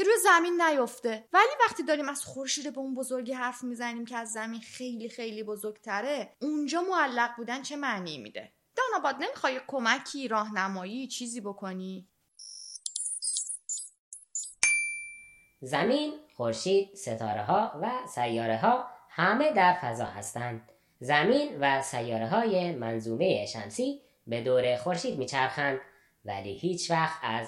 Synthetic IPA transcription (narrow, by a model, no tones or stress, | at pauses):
kʰeɾuːjezæminːæjo̞ft̪e̞væliːvæχt̪ʰiːd̪ɒːɾiːmæz̥xo̞ɾʃiːd̪ebeunbo̞zo̞ɾɟiɦæɾfmiːzæniːmcʰeæzːæminxe̞jliːxe̞jliːbo̞zo̞ɾɡt̪ʰæɾe̞und͡ʒɒːmoælːæɣbuːd̪ænt͡ʃʰe̞mæːniːimḭːd̪e̞̰ | d̪̥ɒːnɒːbɒːd̪̚ne̞mixɒːjikʰo̞mæcʰiːɾɒːɦnæmɒːjiːt͡ʃʰiːziːbo̞kʰo̞niː | zæmiːnxo̞ɾʃiːd̪̥se̞t̪ʰɒ̰ːɾeɦɒːvæsæjːɒːɾeɦɒːhæme̞d̪æɾfæzɒ̰ːhæ̰st̪ænd̪̥ | zæmiːnvæsæjːɒːɾeɦɒːjemænzuːme̞jeʃæmsiː | be̞d̪oːɾe̞xo̞ɾʃiːd̪̚miːt͡ʃʰæɾxænd̪ | væliːhiːt͡ʃʰvæxt̪æz